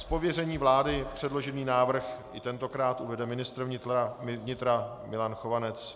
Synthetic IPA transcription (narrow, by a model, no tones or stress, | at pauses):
spo̞vjɛrɛɲiːvlaːdɪpr̝̥ɛdlo̞ʒɛniːnaːvr̩xʔɪt̪ɛnt̪o̞kɾaːt̪uvɛdɛmɪnɪst̪ɾvɲɪt̪aɪvɲɪt̪ɾa | mɪlanxovanɛt͡s